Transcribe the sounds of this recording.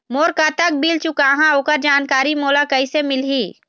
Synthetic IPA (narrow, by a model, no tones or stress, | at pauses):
moːɾkat̪ək̚bilt͡ʃʊkaɦãoːkəɾd͡ʒaːnkaːɾimoːlakəisemɪlɦiː